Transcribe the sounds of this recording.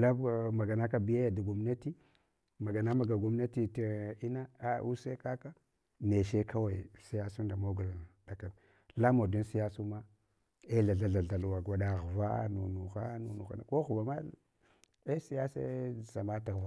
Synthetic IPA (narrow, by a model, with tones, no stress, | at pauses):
la˦˨ma˨ɡa˨na˦ka˦bi˦ja˦ja˨da˨ɡu˨m˦na˦ti˦ | ma˨ɡa˨na˦ma˨ɡa˨ɡu˨mna˦ti˨ta˨i˦na˦a˨u˦se˦ka˦ka˦ | ne˨ʃe˦kʰa˦wa˨si˦ja˦su˦nda˨mo˦ɡu˨la˨da˨ka˨n | la˦mo˨du˦nsi˦ja˦su˦ma˦ | e˦ɮa˨ɮa˨ɮa˨ɮa˨lu˨wa˨ɡʷa˨˦da˦ɣva˦nu˨nu˨xa̰˦nu˨nu˨xa̰˨na˨ko˦ɣva˨ma˦ | e˦si˦ja˦sḛ˦˨sa˨ma˦ta˨ɣva˨